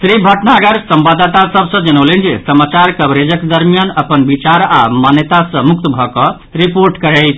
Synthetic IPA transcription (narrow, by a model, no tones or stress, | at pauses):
sɾibʱəʈnaɡəɾsəmbad̪t̪asəbʱsə̃d͡ʒənəlend͡ʒesəmat͡ʃaɾkəbɾed͡ʒəked̪əɾmijanəpənbit͡ʃaɾamanjət̪asə̃muk̚t̪bʱɔkə | ɾipoɾʈkəɾɛjt̪ʰ